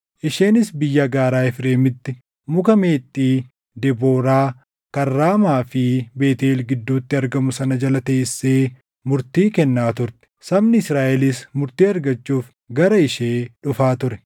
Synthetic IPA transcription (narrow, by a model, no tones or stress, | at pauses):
ʔɪʃe̞ːnɪsbɪjːɐɡaːɾaːɪfɾe̞ːmɪt̪ːɪ | mʊkɐmeːt̪ʼːiː | d̪ɛbo̞ːɾaː | kɐrːaːmaːfɪbe̞ːt̪eːlɡɪd̪ːuːt̪ːɪɐɾɡɐmʊsɐnɐd͡ʒɐlɐt̪eːɪsːeː | mʊɾt̪iːkɛnːaːt̪ʊɾt̪ɛ̥sɐbnɪɪsɾaːʔɛlɪsmʊɾt̪iːɐɾɡɐt͡ʃːuːf | ɡɐɾɐɪʃeːᶑʊfaːt̪ʊɾɛ